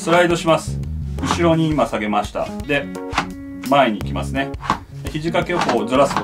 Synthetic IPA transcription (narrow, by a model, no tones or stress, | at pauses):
sɨɾaid̪o̞ɕimasɨ̥ɯ̟ɕiɾo̞ɲ̟iːmasaɡe̞maɕi̥t̪a̰d̪e̞ | mae̞ɲ̟iːkʲima̰sɨne̞ | çiʑikake̞hoːzɨɾasɨ̥ko